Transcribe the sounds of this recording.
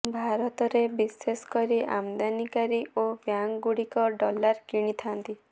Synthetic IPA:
bʱaɾɔt̪ɔɾebiseskɔɾiʔa̰md̪anikaɾiʔobjaŋɡuɽikɔɖɔlaɾkiɽ̃it̪ʰant̪i

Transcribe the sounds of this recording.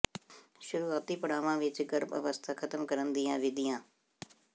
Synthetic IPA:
ʃʊɾuːaːt̪iːpəɽaːʋãːʋɪt͡ʃɡəɾbə̰ʋəst̪ʰaːkʰət̪əmkəɾənd̪ijãːʋɪd̪ɪjãː

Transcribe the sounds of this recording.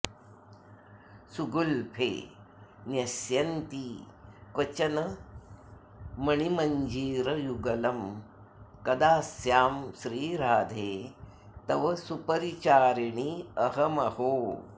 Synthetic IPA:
suɡulpʰḛː | njɐsjɐnt̪ikʋɐt͡ʃɐnɐ | mɐɳimɐɲd͡ʒiːɾɐjuɡɐlɐm | kɐd̪aːsjaːmsɾiːɾaːd̪ʱeː | t̪ɐʋɐsupɐɾit͡ʃaːɾiɳiɐɦɐmɐhoː

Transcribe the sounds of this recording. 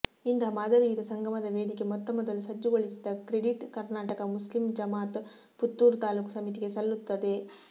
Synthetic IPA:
ind̪ɐmaːd̪ɐɾiid̪ɐsɐŋɡʱɐmɐd̪ɐʋe̞ːd̪ike̞mɔt̪ːɐmɔd̪ɐlːusɐd͡ʒːuɡoɭisid̪ɐkɾeɽiʈkɐɾnaːʈɐkɐmuslimd͡ʒɐmaːt̪ | put̪ːuːɾt̪aːluːksɐmit̪iɡe̞sɐlːut̪ːɐd̪e̞

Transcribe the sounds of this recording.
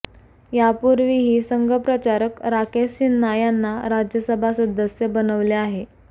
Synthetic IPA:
japuɾʋiɦiːsəŋɡʱəpɾət͡ɕaɾəkɾakest͡ɕinːajanːaɾad͡ʑjəsəbʱasəd̪əsjəbənəʋleaɦe

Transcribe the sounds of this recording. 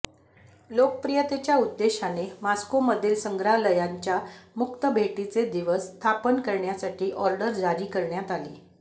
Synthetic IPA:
lok̚əpɾijət̪et͡ɕjaud̪ːeɕanemaskoməd̪ʱiːlsəŋɡɾaɦləjaɲt͡ɕjamukt̪əbʱeʈit͡sed̪iʋəst̪ʰapənkəɾɳjasaʈiːʔɔɾɖəɾd͡zʱaɾiːkəɾɳjat̪aliː

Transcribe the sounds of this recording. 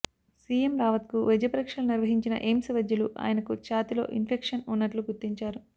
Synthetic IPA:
siːemɾaːʋɐt̪kuʋed͡ʒɐpɐɾikʂɐluniɾʋɐɦiɲt͡ʃinɐ̰ʔemsɐʋɐd͡ʒ̪juluʔa̰ːjɐnɐkut͡ʃaːt̪ilo̞̰ːʔinpʰekʂɐnunːɐʈluɡuɾt̪ːiɲt͡ʃaːɾu

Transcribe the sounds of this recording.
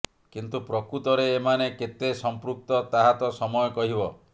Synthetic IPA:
kint̪upɾɔkɾut̪ɔɾeːmaneket̪esɔmpɾuk̚t̪ɔt̪aɦat̪ɔsɔmɔjɔkɔɦibɔ

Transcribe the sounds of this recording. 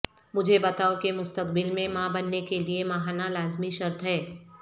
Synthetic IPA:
mʊd͡ʒʱebɐt̪aːokemʊst̪əqbɪlmẽmãbɐnːekeliemɐɦaːnalaːzmiʃɐɾt̪ɦɛː

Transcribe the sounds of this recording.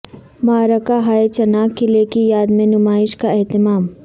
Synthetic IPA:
maːɾəkaɦaːet͡ʃɐnaːkːilekijaːd̪mẽnʊmaːɪʃkaɛɦt̪ɪmaːm

